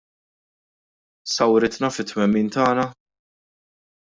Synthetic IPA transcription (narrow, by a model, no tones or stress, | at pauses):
sɐwɾɪt̪nɐfɪt̪ːmɛmːiːnt̪ɐːnɐ